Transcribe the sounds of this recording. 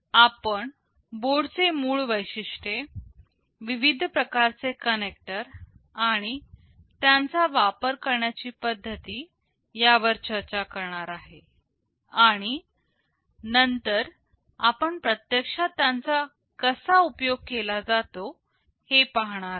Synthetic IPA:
apəɳ | boɽt͡semuːɭʋəjɕiʂʈe | ʋiʋid̪ʱpɾəkaɾt͡sekənek̚ʈəɾaɽ̃i | t̪jant͡saʋapəɾkəɾɳjat͡ɕiːpəd̪ʱːət̪iː | jaʋəɾt͡ɕəɾt͡ɕakəɾɳaɾaɦe | aɽ̃i | nənt̪əɾ | apəɳpɾət̪jəkʂat̪jãnt͡sa | kəsaupjoɡ̚kelad͡zat̪o | hepaɦɳ̃aɾ

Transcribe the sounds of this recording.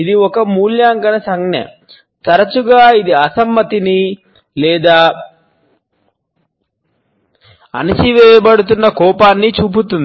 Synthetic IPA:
id̪iɔkɐmuːljaːŋkɐnɐsɐŋɡnɐ̰ | t̪ɐɾɐt͡ʃuɡaːid̪iɐsɐmːɐt̪ini | lɛːd̪aː | ɐ̰nit͡ʃiʋɛːjɐbɐɽut̪̬unːɐkɔːpaːnːit͡ʃuːp̬ut̪und̪i

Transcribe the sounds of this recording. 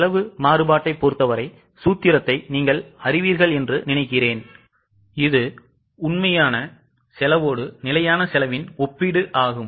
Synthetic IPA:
lɐʋɯmaːrɯbaːʈːɐɪpːoːɾt̪ːɐʋɐɾɐɪ | suːt̪ːɪɾɐt̪ːɐɪniːŋɡɐɭɐrɪʋiːɾɣɐɭɛndrɯnɪnɐɪkːɪreːn | ɪðɯ | ʊnmɐjaːnɐ | sɛlɐʋoːɽɯnɪlɐjaːnɐsɛlɐʋɪnɔpːiɽɯʔaːɣɯm

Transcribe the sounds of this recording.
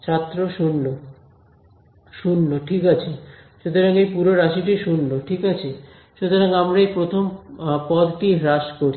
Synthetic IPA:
t͡ɕʰat̪ːɾoʃunːo | ʃunːoʈʰikat͡ɕʰiʃut̪oɾaŋejpuɾoɾaʃiʈiʃunːoʈʰikat͡ɕʰi | ʃut̪oɾaŋamɾaejpɾot̪ʰompɔd̪ʈiɾaʃkoɾ

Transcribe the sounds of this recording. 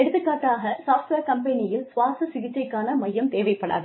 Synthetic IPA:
ɛɽɯt̪ːɯkːaːʈːaːɣɐsaːfʈʋeːɾkɐmpɛnɪjɪlsʋaːsɐsɪɣɪt͡ʃːɐɪkːaːnɐmɐjːɐmt̪eːʋɐɪpːɐɳa̰ːð

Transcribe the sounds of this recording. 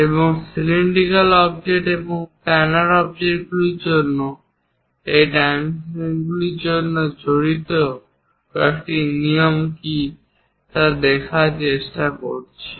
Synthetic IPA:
eboŋsiliɳɖikalɔbd͡ʑeʈeboŋpɛnaɾɔb̚d͡ʑeʈɡuliɾd͡ʑonːo | ejɖaminɡuliɾd͡ʑonːod͡ʑoɽit̪o | kekʈiniomki | t̪ad̪ekʰaɾt͡ɕeʃʈako̰ɾt͡ɕʰe̥

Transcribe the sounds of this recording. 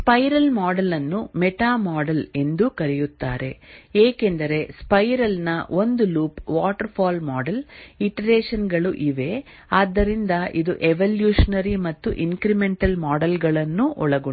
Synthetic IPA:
spɐjɾɐlmaːɖɐlɐnːumeɛʈaːmaːɖɐle̞nd̪ukɐɾɛjut̪ːaːɾe̞̰eːke̞nd̪ɐɾe̞spɐjɾɐlnɐond̪uluːpʋaːʈɐɾpʰaːlmaːɖɐliʈɐɾeːʂɐnɡɐɭuʔiʋe̞ | aːd̪ːɐɾind̪ɐʔid̪uʔeʋɐljuːʂɐnɐɾimɐt̪ːuʔiŋkɾimeɳʈɐlmaːɖɐlɡɐɭɐnːuʔɔɭɐɡu

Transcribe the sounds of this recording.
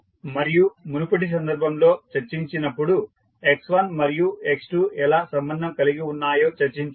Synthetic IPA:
mɐɾijumunupuʈis̬ɐnd̪ɐɾbʱɐmlo̞ːt͡ʃɐɾt͡ʃiɲt͡ʃinɐpːuɽu | eksʋɐnmɐɾijueksʈuːʔɛlaːsɐmbɐnd̪ʱɐmkɐliɡiunːaːjo̞ːt͡ʃɐɾt͡ʃiɲt͡ʃ

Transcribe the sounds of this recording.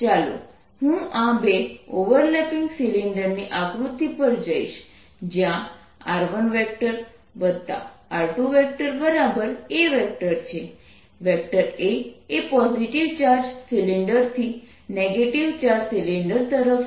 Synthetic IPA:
t͡ʃalo̰ | hũãbeoʋəɾlɛpɪŋɡsiliɳɖəɾniʔakɾut̪ːipəɾd͡ʒaiʃ | d͡ʒjã | aɾʋənʋɛk̚ʈəɾ | bəd̪ʱːa̰aɾʈuʋɛk̚ʈəɾbəɾabəɾeʋɛk̚ʈəɾt͡ʃʰe | ʋɛkʈəɾeːpɔziʈiʋt͡ʃaɾd͡ʒsiliɳɖəɾt̪ʰi | neɡeʈiʋt͡ʃaɾd͡ʒsiliɳɖəɾt̪əɾəf

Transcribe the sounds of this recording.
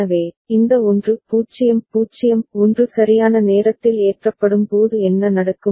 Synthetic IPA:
ɐʋeː | ɪnd̪ɐʊndrɯpuːt͡ʃːɪjɐmpuːt͡ʃːɪjɐmʊndrɯsɐɾɪjaːnɐneːɾɐt̪ːɪleːʈrɐpːɐɽɯmpoːðɯɛnːɐnɐɽɐkːɯ

